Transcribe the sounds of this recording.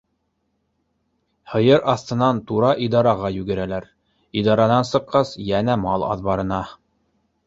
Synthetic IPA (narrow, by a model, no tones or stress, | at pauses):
hɤ̆jɤɾʔɑθt̪ɤ̆nɑnt̪uɾɑʔid̪ɑɾɑʁɑjʉɡɘ̆ɾælæɾ | id̪ɑɾɑnɑnsɤ̆qːɑsjænæmɑlˠɑ̰ðbɑɾɤ̆nɑ